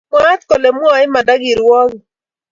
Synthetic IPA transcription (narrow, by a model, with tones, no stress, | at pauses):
ma˦t̪kɔ˨lɛ˨m˦ɔ˦˨ɪ˦ma˨da˦ɡi˨ɾwɔ˦ɡ